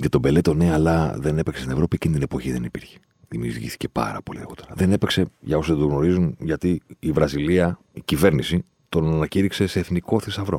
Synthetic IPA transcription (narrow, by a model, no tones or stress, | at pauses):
ʝɐt̪o̞be̞le̞t̪oneɐlɐðe̞nepeksst̪ine̞vɾo̞piecinit̪inepo̞çiðenipiɾçe̥ | ðimiṵɾʝḭθi̥ce̞pɐ̰ɾɐ̰poliḛɣo̞t̪e̞ɾɐðe̞ne̞pekse̞ʝɐo̞sðed̪oɣno̞ɾizunʝɐt̪iːvɾɐziliɐ | icive̞ɾnisi | t̪o̞nɐnɐciɾikse̞se̞ːθniko̞θisɐvɾo̞̰